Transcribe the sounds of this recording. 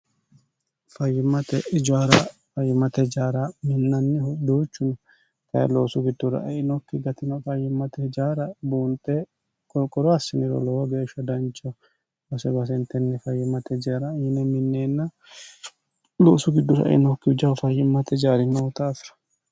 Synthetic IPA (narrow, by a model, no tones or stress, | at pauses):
fɐjːɪmːɐt̪ɛɪd͡ʒaɾɐfɐjːɪmɐt̪ɛd͡ʒaːɾɐmɪnːɐnːɛʊd̪uːt͡ʃːʊnɐ | t̪ɐ̰loːsʊɡɪd̪ːʊɾɐ̰ʔɪnɔkːɪɡɐt̪ɪnɐfɐjːɪmːɐt̪ɛd͡ʒaːɾɐbuːnt̪ʼɛ | kɔkʼɔɾɔɐsːɪnɪɾɔ̰lɔwɔɡe̞ːʃːɐd̪ɐnt͡ʃːɔ | bɐsɛbɐs̬ɛnt̪ɛnːɛfɐjːɪmːɐt̪ʰɛd͡ʒaːɾɐɪnɛmɪnːeːnːɐ | lo̰ːsʊɡɪd̪ːʊɾɐ̰ʔɪ̰nɔkːɪɪd͡ʒɐfɐjːɪmːɐt̪ɛd͡ʒaːɾɪnːɐʊt̪aːfɪɾɐ̥